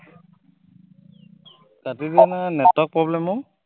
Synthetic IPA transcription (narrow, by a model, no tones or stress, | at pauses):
ɡatidinanɛtɔk̚pɹɔblɛmʊ